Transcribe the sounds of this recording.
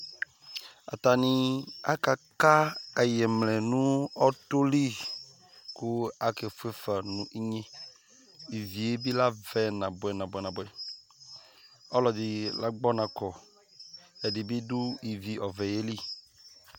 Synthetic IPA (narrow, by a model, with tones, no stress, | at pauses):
a̰˨t̪a˨nĩ˦a̰˦ka˨ka˦e˨jɛ˨mlɛ˨nũ˦ɔ˦t̪o˦li˦ | ku˦a˨ke˨fe˦fa˨nũ˨ʔi˦ɲẽ˦ | i˨vi˨e˦bi˦la˦vɛ˦nã˨bʊ˨ɛ˨nã˨bɛ˨nã˨bʊ˨ɛ˨ | ɔ˦lɔ˨dɪ˨la˦ɡ͡bɔ˦nã˨kɔ˨ | ɛ˨di˨bi˦du˦i˨vi˨ʔɔ˨vɛ˨je˦li˦˨